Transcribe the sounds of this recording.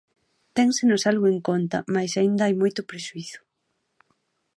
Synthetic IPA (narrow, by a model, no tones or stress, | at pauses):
t̪ɛŋsenʊsalɣʊeŋkont̪ɐ̰majsaind̪ɐajmojt̪ʊpɾeʃuiθʊ̥